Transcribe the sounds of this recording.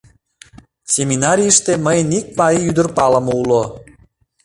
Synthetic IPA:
sʲemʲinɑɾʲijʃt̪eməjnik̚mɑiyd̪ə̆rpɑlə̆moulo

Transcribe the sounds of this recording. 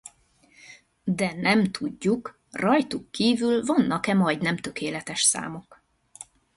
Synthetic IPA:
d̪ɛnɛmt̪ʰuɟːuk | rɒjt̪ukːiːvylvɒnːɒkɛmɒjd̪nɛmt̪ø̞kʰeːlɛt̪ɛʃsa̰ːmok

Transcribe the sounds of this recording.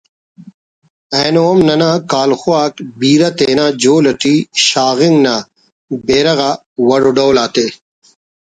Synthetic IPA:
ɐːnoːmnɐnaːkaːlxuaːkbiːɾɐt̪eːnaːd͡ʑoːlɐʈiɕaːɣiŋɡnaː | beːɾɐɣa | wɐɽoɖowlaːt̪e

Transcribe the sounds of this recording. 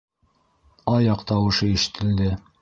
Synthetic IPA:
ɑjɑqt̪ɑwɤ̆ʃɤiʃɘ̥̆t̪ʰɘ̆ld̪ɘ

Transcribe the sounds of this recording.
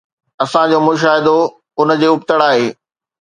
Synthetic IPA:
ɐsãd͡ʑoːmʊʃ̬aːɦɪd̪o | ʊnə̆d͡ʑeːʊpt̪əɽaːɦeː

